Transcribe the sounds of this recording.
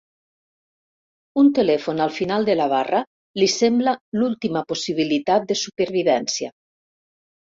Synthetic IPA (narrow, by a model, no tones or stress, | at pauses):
unt̪elɛfonalˠfinalˠd̪elaβ̞ara | lisemblalulˠt̪imaposiβ̞ilit̪at̪̚d̪esupeɾβiβɛnsia